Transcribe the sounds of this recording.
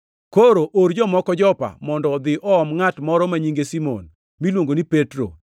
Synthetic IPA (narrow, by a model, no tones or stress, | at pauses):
koɾoʔoɾd͡ʒɔmɔkɔd͡ʒɔpa̰mɔndɔd̪ɪʔɔɔmŋatmɔɾɔmaɲiŋɡesimɔ̰n | milwoŋɡonipetɾo̰